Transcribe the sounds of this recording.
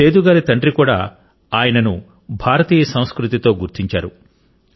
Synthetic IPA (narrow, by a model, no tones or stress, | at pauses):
eːd̪uɡaːɾit̪ɐɳɖɾikuːɽa̰ː | aːjɐnɐnu | bʱaːɾɐt̪iːjɐsɐw̃skɾut̪it̪o̞ːɡuɾt̪iɲt͡ʃaːɾu